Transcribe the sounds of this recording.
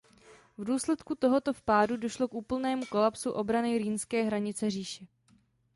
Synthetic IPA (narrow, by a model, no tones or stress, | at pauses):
vduːslɛt̪kut̪o̞ɦo̞t̪o̞fpaːdudo̞ʃlo̞kʔuːpl̩nɛːmuko̞lapsuʔo̞bɾanɪɾiːnskɛːɦɾaɲɪt͡sɛriːʃɛ